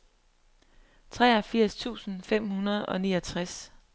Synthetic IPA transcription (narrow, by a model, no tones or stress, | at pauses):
t͡sʰʁɛːɒfiɐ̰st͡sʰṵːsn̩fem̰hunɐð̞ˠɒ̽niːɒt͡sʰʁas